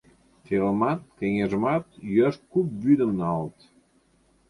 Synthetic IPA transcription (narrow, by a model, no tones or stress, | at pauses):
t̪eləmɑt̪̚kʲeŋeʒəmɑt̪jøʃ̚kup̚byd̪əmnɑlt̪